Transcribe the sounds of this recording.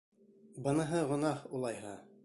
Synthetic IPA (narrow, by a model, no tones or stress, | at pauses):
bɤ̆nɤ̆ɦɤʁŏnɑhulˠɑjɦɑ